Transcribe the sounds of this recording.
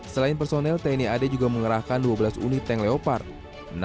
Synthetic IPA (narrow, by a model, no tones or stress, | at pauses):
səlainp̬ərsonɛlt̪aniaded͡ʒuɡaməŋəɾahkanduwabəlasṵnit̪ɛŋleopar | n